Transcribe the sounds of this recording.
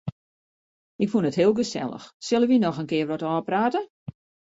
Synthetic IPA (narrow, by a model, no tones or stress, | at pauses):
ɪkfunətɦɪəlˠɡəsɛ̰lˠə̰xsølˠənʋinɔxənkɪərʋɔtɔːpraːtə